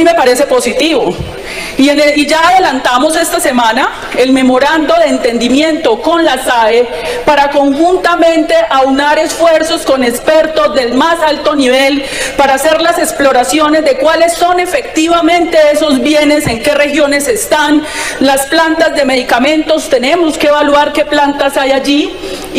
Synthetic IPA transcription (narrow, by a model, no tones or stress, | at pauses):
me̞paɾe̞se̞po̞sit̪iβo | ieid͡ʒaːðe̞lant̪amo̞se̞st̪ase̞mãna | e̞lme̞mo̞ɾand̪o̞ðe̞ːnt̪e̞nd̪imje̞nt̪o̞ko̞nlasae | paɾako̞ŋxunt̪amẽ̞nt̪e̞ʔawnaɾesfwe̞ɾso̞sko̞ne̞spe̞ɾt̪o̞zd̪e̞lmasalt̪o̞niβe̞l | paɾaːse̞ɾlase̞ksplo̞ɾasjo̞ne̞zd̪e̞kwale̞sːo̞ne̞fe̞k̚t̪iβamẽ̞nt̪e̞e̞so̞zbje̞ne̞se̞ŋke̞re̞xjo̞ne̞se̞st̪anlasplant̪azd̪e̞me̞ðikamẽ̞nt̪o̞st̪e̞ne̞mo̞ske̞eβalwaɾke̞plant̪asajaʝi